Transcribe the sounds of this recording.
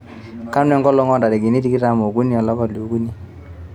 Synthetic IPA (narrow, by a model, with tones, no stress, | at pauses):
ka˦nwɛ˨ŋɡɔ˦lɔ˦ŋɔ˦nda˨de˨ɡi˨ni˦di˦ki˦ɾa˦mo˨ɡu˦ni˦ɔ˨lɔ˦kɔ˨ljo˨ɡu˦ni˦˨